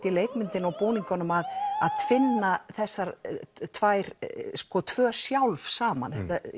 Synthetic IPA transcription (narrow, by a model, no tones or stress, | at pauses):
t̪ɪleːjkmɪnt̪ɪnawpoːwniŋkɔnʏmaðaðt̪ʰfɪnːaθɛsːaɾt̪ʰvajɾ̥skɔt̪ʰvœːsjawlvsaːma̰nθɛt̪a